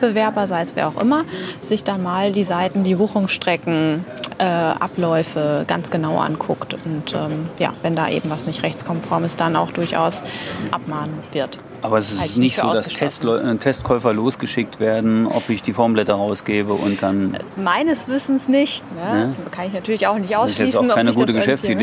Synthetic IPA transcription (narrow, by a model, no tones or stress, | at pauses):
b̥əvɛɐbɐzaɪəsv̥ḭːaʊxʔɪmɐz̥ɪçd̥anmaːldiːzaɪtn̩diːbuːxʊŋsʃtʁ̥ɛkŋ̩ʔɛːʔa̰plɔʏfəɡ̥a̰nt͡sɡ̥ənaʊʔa̰nkʰʊktʊntʔɛːmja̰ːvɛnda̰ːʔḛːbm̩vasnɪçtʁɛçt͡skʰɔmfɔɐməsd̥ana̰ʊxd̥ʊɐçʔa̰ʊsʔa̰pmaːnənv̥ɪɐt | ʔaːbɐɛsɪsanɪçzoːdastʰɛstlɔtʰɛstkʰɔʏfɐloːsɡ̥əʃɪk̚tv̥eːɐdn̩ʔɔ̰pɪçd̥iːfɔɐmblɛtɐʁaʊsɡ̥eːbəʔʊnt̚d̥anmaɪnəsv̥ɪsn̩snɪçtnəskʰanɪçnatʰyːɐlɪçaʊxnɪçtʔaʊsɛːn̩kaɪnəɡɡuːtəɡəʃɛfsi